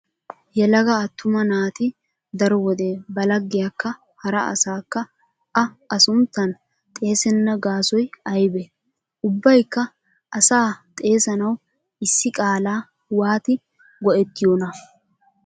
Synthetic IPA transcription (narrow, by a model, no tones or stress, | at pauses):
jɛlɐɡɐːt̪ʰːʊmɐnaːt̪ɪ | d̪ɐɾɔwɔd̪eːbɐlɐɡːɪjakːɐ | hɐɾɐ̰ɐ̰saːkːɐ | ɐʔɐsʊnt̪ːɐn | t̪ʼe̞ːsɛnːɐɡaːsɔjɐjbɛ | ʔʊbːɐjkːɐ | ʔɐsaːt̪ʼe̞ːsɐnɐw | ɪsːɪkʼaːlaː | waːt̪ɪ | ɡɔʔɛt̪ːɪjoːnɐ